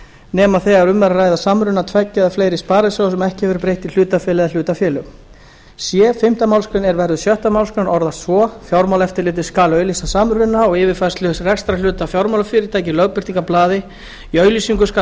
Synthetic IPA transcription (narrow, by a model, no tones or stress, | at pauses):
nɛːmaθɛɣaɛɾʏmːɛɾarajðasamɾʏnat̪ʰvɛcːaðafleːjɾɪspaːɾasjowsɛmɛhcɪhɛvʏɾpɾejht̪il̥ʏːt̪afɛːlɛðal̥ʏːt̪afjɛːlʏ | sjɛːfɪm̥t̪amawlskɾʏnɛɾvɛɾðʏsjœht̪amawlskɾʏnʔɔɾðasvɔfjawɾmawlɛft̪ɪɾlɪːt̪ɪ̥skaːlœːɥlisasamɾʏnːaɔɣɪːvɪɾfɛst̪lʏsrɛkst̪ɾalʏːt̪afjawɾmawlafɪɾɪɾt̪ʰaːjcɪlœɥpɪr̥t̪iŋkaplaːðɪ | iœːɥlisiŋkʏsk